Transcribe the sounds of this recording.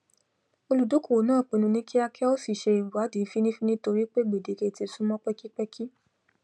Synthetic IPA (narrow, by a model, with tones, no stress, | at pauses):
o˧lu˨do˨˦ko˨nãː˦˨k͡pẽ˨˧˨nũ˧nĩ˦ki˦a˧kʰɛ˦o˦si˦˨ʃe˧i˨wa˨˦di˨˦fi˦nĩ˦fi˦nĩ˦to˧ɾi˦k͡pe˦ɡ͡be˨de˨ke˧˨ti˧sũ˦mɔ̃˦k͡pɛ˦ki˦k͡pɛ˦kʰi˦